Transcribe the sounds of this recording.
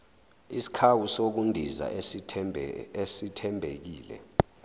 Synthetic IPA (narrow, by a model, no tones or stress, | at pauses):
isi̥kʰawusok̬undʱiza̰ | esitʰɛmbʱek̬iːlɛ̰